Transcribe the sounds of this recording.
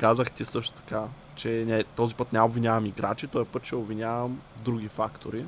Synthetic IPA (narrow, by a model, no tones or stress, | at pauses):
kazəxt̪isɤʃt̪o̥t̪ɐ̥ka | t͡ʃɛnɛt̪ɔzipɤt̪nʲɛɛobvinʲjavɐmiɡɾat͡ʃit̪ɔɛpɤt̪t͡ʃɛobvinʲjavɐmd̪ɾuɡʲifa̰kt̪oɾi